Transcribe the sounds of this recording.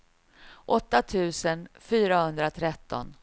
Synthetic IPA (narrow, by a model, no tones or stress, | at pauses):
ʔɔt̪ːat̪ʰʉ̟ːsənfyːɾahɵnd̪ɾat̪ʰɾɛt̪ːɔ̰n